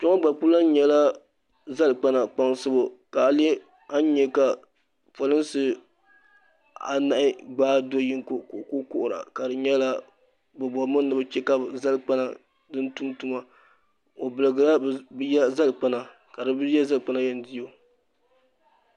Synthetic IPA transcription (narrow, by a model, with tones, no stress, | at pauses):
t͡ʃɔ˦ŋa˦ɡ͡ba˨k͡pu˦la˦n˦ɲɛ˨la˦ | za˦lk͡pa˦na˨k͡pa˦ŋsɨ˦bo˨ka˨a˨lɛ˦ | a˦n˦ɲɛ˦ka˨ | pa˨lɨ˦nsɨ˦ | a̰˨na˦ʔɪ˦ɡ͡baː˦do˦ji˦ŋkko˦kʊ˦ʔʊ˨ɾa̰˨ka˨dɨ˨ɲɛ˦la˦ | bɨ˨bɔ˨mɨ˦nː˦ɨ˦bɨ˦t͡ʃɛ˦ka˦bza˦lk͡pa˦na˨ | dɨ˦ntu˦mtu˦ma˨ | o˨bɨ˨lɨ˨ɡɨ˨la˦bjɛ˦za˦lk͡pa˦na˨ | ka˨dɨ˨bɨ˦jɛ˦za˦lk͡pa˦na˦jɛ˦n˦di˦o˨